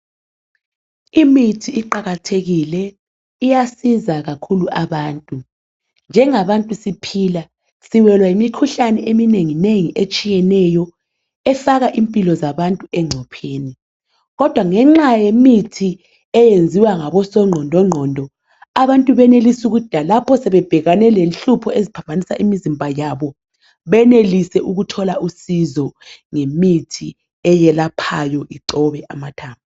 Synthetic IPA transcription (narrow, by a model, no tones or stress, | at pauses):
imitʰiːǃaɣatʰeɣilɛ | ijasizaɣakʰuluʔaβaːntʼu | nd͡ʒʱɛŋaβantʼusipʰila | siwɛlwaimikʰuɬanɛʔemineŋineŋiʔet͡ʃʼijɛnɛjɔ | ɛfaɣaʔimpʼilɔzaβantʼuɛŋ͡ǀʱɔpʰeːni | ɣɔd̥ʱwaŋɛŋ͡ǁajemitʰi | ɛjend͡zʱiwaŋaβɔsɔŋ͡ǃʱɔndʱɔŋ͡ǃʱɔndʱɔ | aβantʼuβɛnelisuɣud̥ʱalapʰɔsɛβɛb̥ʱɛɣanɛlenɬupʰɔezipʰambʱanisa̰ʔimizimbʱajaβɔ | βɛnelisɛʔuɣutʰɔlaʔusizɔŋemitʰi | ɛjɛlapʰajɔʔiǀɔβɛʔamatʰaːmu